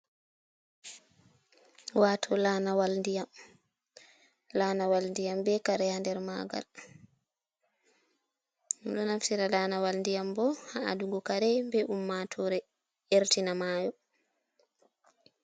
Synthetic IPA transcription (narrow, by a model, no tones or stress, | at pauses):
waːtʰɔlanawalndijam | laːnawalndijambɛkaɾɛjandɛɾma̰ːɡa̰l | uɗɔnaftiɾalaːnawalndijambɔhaa̰duŋɡɔkaɾɛbɛʔumːatʰɔɾɛ | eɾtinamaːjɔ